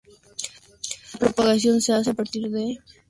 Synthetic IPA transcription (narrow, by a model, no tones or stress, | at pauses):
apɾopaɣas̬jonseasapaɾt̪iɾðe